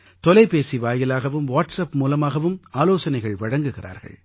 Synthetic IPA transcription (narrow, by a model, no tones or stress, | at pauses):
t̪ɔlɐɪpeːsiʋaːjɪlaːɣɐʋɯmʋaːʈsɐpmuːlɐmaːɣɐʋɯmaːloːsɐnɐɪɣɐɭʋɐɽɐŋɡɯɣɪra̰ːɾɣɐ̰ɭ